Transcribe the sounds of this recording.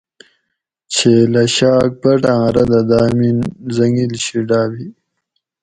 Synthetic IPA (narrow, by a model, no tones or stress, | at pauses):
t͡ɕʰelɐɕaːk̚pɐʈãːɾɐd̪ɐd̪aːminzɐŋɡilɕiɖaːbi